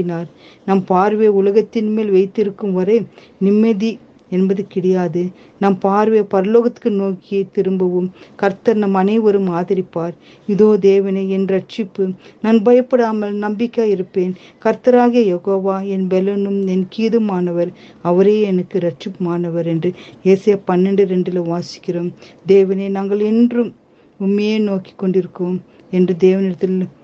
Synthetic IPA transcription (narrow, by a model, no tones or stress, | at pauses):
ɪnaːɾnɐmpaːɾʋeːʊlɐɣɐt̪ːɪnmeːlʋɐɪt̪ːɪɾɯkːɯmʋɐɾɐɪ | nɪmːɐði | ɛnbɐðɯkɪɽɐjaːðɯ | nɐmpaːɾʋeːpɐɾɐloːɣɐt̪kːɯnoːkɪjɐɪt̪ːɪɾɯmbɐʋɯmkɐɾt̪ɐɾnɐmɐnɐɪʋɐɾɯmaːðɪɾɪpːaːɾ | ɪðoːd̪eːʋɐnɐɪɛnɾɐʈt͡ʃɪpːɯnaːnbɐjɐpːɐɽaːmɐlnɐmbɪkːaːjɪɾɯpːeːn | kɐɾt̪ɐɾaːɣijɐjɛɣoːʋaːɛnbɛlɐnɯmɛnkiːðɯmaːnɐʋɐɾ | ɐʋɐɾeːɛnɐkːɯɾɐʈt͡ʃɪpːɯmaːnɐʋɐɾɛndrɯeːsɐjɐpɐnːɛɳɖɯɾɛɳɖɪlɐʋaːsɪ̥kːɪroːmd̪eːʋɐnenaːŋɡɐɭɛndrɯm | ʊmːɐjeːnoːkɪ̥kːɔɳɖɪɾɯkːoːm | ɛndrɯd̪eːʋɐnɪɽɐt̪ːɪl